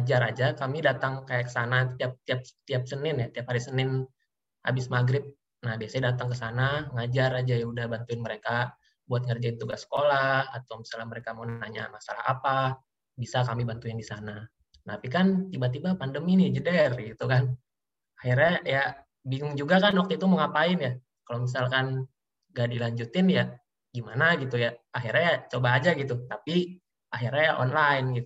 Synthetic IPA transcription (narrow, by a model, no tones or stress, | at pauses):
ad͡ʒaɾad͡ʒakamidat̪aŋkajakə̥sanat̪iap̚t̪iap̚t̪iap̚sənɪnjat̪iap̚haɾisənɪn | ha̰bɪsmaɡɾɪp̚ | nahbiasadat̪aŋk̬əsanaŋad͡ʒarad͡ʒajaudahbant̪uɪnməɾeka | buat̪̚ŋərd͡ʒadit̪uɡasːə̥kolahat̪awmisalahməɾekamaunaɲa̰masalaha̰pa | bisakamibant̪uɪndisana | t̪apikant̪ibat̪ibapandəminid͡ʒədɛrɡit̪ukan | ahirɲaja | biŋʊŋd͡ʒuɡakanwakt̪uit̪uməŋapaɪnja | kalomis̬alkan | ɡadilaɲd͡ʒut̪ɪnja | ɡimanaɡit̪ujaaɦirɲajat͡ʃobaːd͡ʒaɡit̪ut̪api | aɦirɲajaʔɔ̰nlainɡit̪